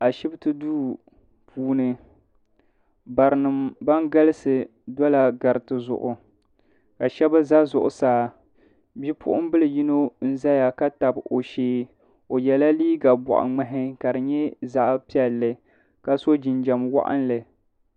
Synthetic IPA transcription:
a˨ʃɪ˦btɨ˦duː˦ | pʰuː˦nɨ˨ | ba˨ɾɨ˨nɨ˨mba˦ŋɡa˦lɨ˦sɨ˨ | dɔ˦la˨ɡa˨ɾɨ˨tɨ˨zʊ̰˨ʔʊ˨ | ka˨ʃɛ˦ba˦za˦zʊ˨ʔʊ˨saː˦ | bi˦pʰʊ̰˦ʔʊ˦m˦bɨ˦lɨ˨ji˦no˦n̩˦za˦ja˨ka˦ta˨bo˨ʃeː˦ | o˨jɛ˨la˦liː˦ɡa˨bɔ̰˨ʔa̰˨ŋ͡mɨ˦ɦɪ˦ka˨dɨ˨ɲɛ˦za˦ʔpi˦ɛ˨lːɨ˨ | ka˦so˦d͡ʒɪ˨nd͡ʒa˨mwa̰˦ʔa̰˦nlɨ˨

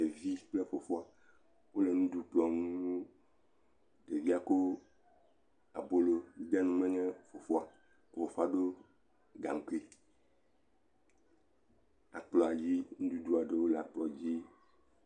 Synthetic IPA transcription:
e˨vi˦k͡ple˦fo˨fo˦a˨ | wo˦le˨nũ˦d̪u˦k͡plɔ˨nũ˦ | ɖe˨vi˦a˦ko˦ | a̰˨bo˦lo˨mi˨da˦nũ˦mɛ̃˦ɲɛ̃˦fo˨fo˦a˨ | ko˨wo˦fo˦a˦ɖo˦ | ɡa̰˨ŋ˨ku˦i˦ | a̰˨k͡plɔ˨a˨d͡ʑi˦nũ˦d̪u˦d̪u˦a˨ɖe˨wo˦lɛ˨a˨k͡plɔ˨d͡ʑi˦

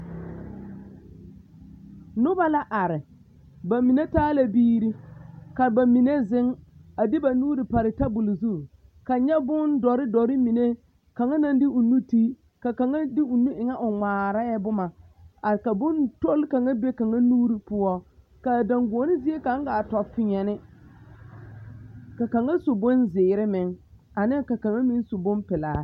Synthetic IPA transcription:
nʊ˦ba˦la˦ʔa˨ɾɪ˨ | ba˨mi˨ne˦taː˦la˦biː˦ɾi˦ka˨ba˨mi˨ne˦zɪ˦ŋa˨dɪ˦ba˨nuː˦ɾɪ˨pa˨ɾɪ˨ta˦bʊ˨lʊ˨zu˦ | ka˨ɲɛ˦bʊ˦ndɔ˨ɾɪ˦dɔ˨ɾɪ˦mi˨ne˦ | ka˨ŋa˦na˦ndɪ˦ʊ˨nu˦ti˦ | ka˨ka˨ŋa˦dɪ˦ʊ˨nu˦ʔɪ˨ŋa˦ʔʊ˨ŋaː˨ɾa˦jɛ˦bʊ˦ma˨ | a˨ɾɪ˨ka˨bʊ˦nto˦lka˨ŋa˦be˦ka˨ŋa˦nuː˦ɾi˨pʊ˦ɔ˦ | ka˨da˨ŋɡoː˨˦nɪ˦zi˦e˦ka˨˦ŋ˦ɡa˨tɔ˨fɪ˦ɲɛ˨nɪ˦ | ka˨ka˨ŋa˦sʊ˨bʊ˦nzɪː˨ɾɪ˦mɪ˨ŋ | a˨nɪ˦ka˨ka˨ŋa˦mi˦n˦sʊ˨bʊ˦mpɪ˨laː˨˦

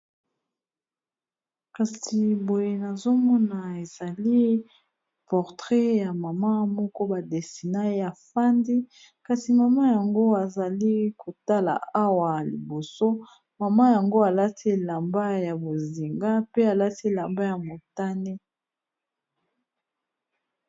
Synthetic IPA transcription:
ka˨si˨bo˨je˨na˨zo˦mɔ˦na˨e˨za˨li˦ | pɔ˨ʁtʁɛ˦ja˨ma˨ma˦mɔ˦kɔ˦ba˨de˨si˨na˦ja˨fa˦ndi˦ | ka˨si˨ma˨ma˦ja˨ŋɡo˦a˨za˨li˦ko˨ta˦la̰˨a˦wa˨jlḭ˨bo˨so˦ | ma˨ma˦ja˨ŋɡo˦a˨la˦ti˦˨la˨mba˦ja˨bo˨zi˨ŋɡa˦pe˦a˨la˦ti˦˨la˨mba˦ja˨mo˨ta˦ne˦

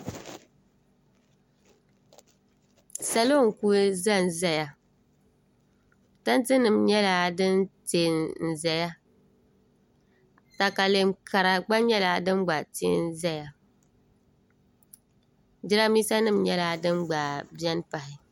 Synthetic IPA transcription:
sa˨lo˦˨ŋ̩˨ku˦za˦˨n˨zɛ˦ja˨ | ta˦n˦tɨ˦nɨ˨mɲɛ˦la˨˦dɨ˦nteː˨nn̩˨zɛ˨ja˦ | ta˨ka˨le˨mkʰa˨ɾa˨ɡ͡ba˦ɲɛ˦la˨dɨ˦mɡ͡ba˨tḛ˦n˦zɛ˦ja˨ | d͡ʒɪ˦ɾa˦mi˦sa˦nɨ˦˨mɲɛ˦la˨dɨ˦mɡ͡ba˨bi˦ɛ˦npa˨hɪ˨

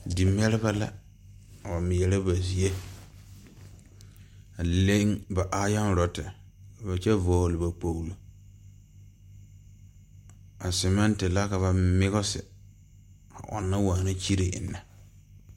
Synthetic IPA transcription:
di˨m˦ɛ˦ɾɪ˦ba˦la̰˦˨ | ba˨mɪ˨jɛ˨lɛ˦ba˨zi˨e˦ | a˨le˦ŋba˨ʔa˦ja˦nɾɔ˨tɪ˨ | ba˨t͡ʃɛ˦vɔː˦hlɪ˨ba˨k͡po˦wlo˦ | a˨sɛ˨mɛ˦ntɪ˨la˦ka˨βa˨mɪ˦ɣɔ˦sɪ̰˨ | a̰˨ʔɔ̰˨nːa˦waː˨na˦t͡ʃi˦ɾe˨ʔɪ̰˨nːa˨

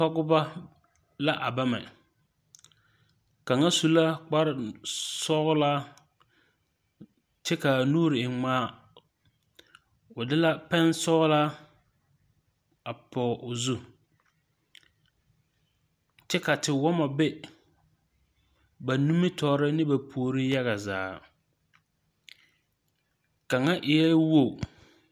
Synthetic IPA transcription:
ɔ˦ɡʊ˦ba˦ | la˦ʔa˨ba˦mɛ˨ | ka˨ŋa˦su˨la˦k͡pa˦ɾɪ˨sɔ˦ɣʊ˦laː˦ | t͡ʃɛ˦ka˨nuː˦ɾɪ˨ɪ˨ŋ͡maː˨˦ | ʊ˨dɪ˦la˦pɛ˦nsɔ˦ɣlaː˦ | a˨pɔː˨ʔʊ˨zu˦ | t͡ʃɛ˦ka˨tɪ˨wɔ˦ma˨bɛ˦ | ba˨nu˦mi˦tɔː˨ɾɪ˦nɪ˦ba˨pʰoː˨ɾi˦ja˦ɣa˨za̰ː˨ | ka˨ŋa˦ʔɪ˨jɛ˦wo˦˨

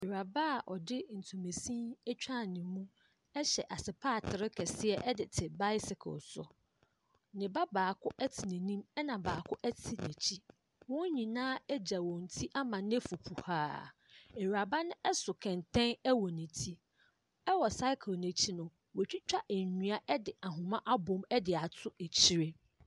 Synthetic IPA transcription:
ɛ˨ɥa˨ba˦˨ʔɔ˨dɪ˦n̩˨tʰũ˨me˨sĩ˦ɛ˦t͡ɕᶣa˦˨nɪ̃˨˦mũ˦ | ɛ˦ɕɛ˨ʔa˨sɪ˨pʰaː˦˨tʰɪ˨ɾɪ˦kʰɛ˨sɪ˦ɛ˨ʔɛ˦dɪ˨tʰɪ˨ba˦ɪ˦sɪ˨kʰʊ̰˨lsʊ̰˨ | nɪ̃˨ba˦baː˨kʰʊ˦ʔɛ˦tʰɪ˨nɛ̃˨nĩ˦mɛ˦nã˨baː˨kʰʊ˦ʔɛ˦tʰɪ˨nɛ̃˨t͡ɕʰi˦ | wʊ̃˦ɲĩ˨nãː˦ɛ˦d͡ʑa˨wɔ̃˨n̩˨tʰi˦ʔa˦mã˨nɪ̃˦ɛ˦fu˨pʰu˨haː˦ | ɛ˨ɥi˨a˨ba˦nʊ̃˦ʔɛ˦sʊ˨kʰɛ̃˨ntʰɛ̃˦nɛ˦wɔ˨nɛ̃˨tʰi˦ | ɛ˦wɔ˨sa˦ɪ˦kʰɪ˨lnæ̃˨t͡ɕʰi˦nʊ̃˨m | wɔ˨t͡ɕᶣi˦t͡ɕᶣa˦ʔɛ˨ɲ˨ɲũ˦a˦ʔɛ˦dɪ˨a˨ɦʊ̃˨mã˦ʔa˦bʊ̃˦mɛ˦dɪ˨a˨tʰʊ˦e˨t͡ɕʰi˦ɾe˦

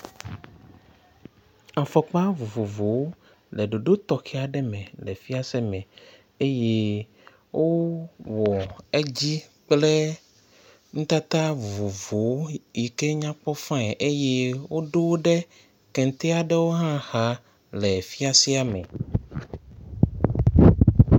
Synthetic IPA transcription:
a˨fɔ˨k͡pa˦vo˨vo˨vo˨w | le˨ɖo˨ɖo˦t̪ɔ˨xɛ˦a˨ɖɛ˦mɛ̃˨lɛ˨fi˦a˦sɛ˦mɛ̃˨ | e˦je˦ | wʔo˦wɔ˨e˦d͡ʑi˦k͡ple˦ | ŋ̩̃˦t̪a˦t̪a˦vu˨vo˨vo˨˦ji˨ke˦ɲã˦k͡pɔ˦fã˦ɛ˨ʔe˦je˦wo˦ɖo˦wo˦ɖe˦ | kɛ̃˨n˨t̪e˦a˨ɖe˦wo˦ɦã˦ha˨ | lɛ˨fi˦a˦si˦a˦mɛ̰̃˨

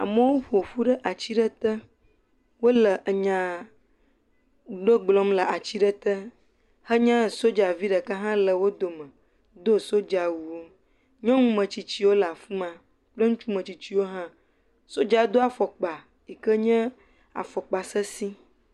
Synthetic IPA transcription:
a̰˨mə˦wo˦ɸo˨ɸu˦ɖə˦ʔa˨t͡ɕi˦ɖə˦t̪ə˦ | wo˦lə˨ʔə˨ɲã˨ | ɖo˦ɡ͡blɔ˦mlə˨a˨t͡ɕi˦ɖə˦t̪ə˦ | hə˦ɲɛ̃˦so˦d͡ʒa˨vi˦ɖə˨kə˦ɦã˦lə˨wo˦d̪o˨mə̃˨ | d̪o˦so˦d͡ʒa˨wu˨wo˦ | ɲɔ̃˦ŋũ˦mə̃˨t͡ɕi˨t͡ɕi˦wo˦la˨fu˦mã˨ | k͡plə˦ŋũ˦t͡ʃu˦mə̃˨t͡ɕi˨t͡ɕi˦wo˦ɦã˦ | so˦d͡ʒa˨˦d̪o˦a˨fɔ˨k͡pa˨ | i˨kə˦ɲɛ̃˦ | a̰˨fɔ˨k͡pa˨sə˦si˦

